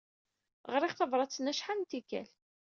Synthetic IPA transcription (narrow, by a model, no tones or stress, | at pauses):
ʁəɾˤɪχθɑvɾˤɑt͡sːnæʃħannt̪ikæ̰l